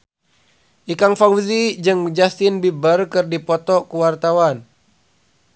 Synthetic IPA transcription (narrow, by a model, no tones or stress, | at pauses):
ʔikaŋfawzid͡ʒɨŋd͡ʒast̪ɪnbibərkɨrdipɔt̪ɔkuwart̪awan